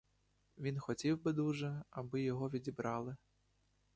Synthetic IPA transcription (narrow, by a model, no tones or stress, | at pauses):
ʋʲinxɔtʲiwbɪd̪uʒɛɐbɪjɔɦɔʋʲidʲibɾɑlˠɪ